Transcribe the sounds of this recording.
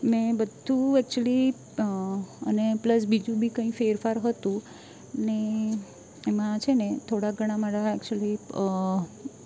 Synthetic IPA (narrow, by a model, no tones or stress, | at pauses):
mɛ̃bəd̪ʱũɛk̚t͡ʃəli | ənepləs̬bid͡ʒũbʱikə̃ĩfeɾfaɾɦət̪ũ | neː | mãt͡ʃʰenet̪ʰoɽaɡʱəɽ̃amaɾaɛkt͡ʃəli